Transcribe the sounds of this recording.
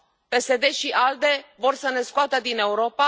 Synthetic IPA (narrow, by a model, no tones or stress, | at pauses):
pe̞se̞d̪e̞ʃiʔald̪e̞vo̞rsəne̞skoat̪əd̪ine̞uɾo̞pa